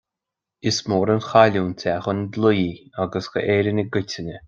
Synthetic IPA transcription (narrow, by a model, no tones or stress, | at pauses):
ɪsmoːɾənxalʲuːntʲʰaxənd̪lujiaɡəsxə̰ʔeːɾənʲəɡɪtʲɪnʲə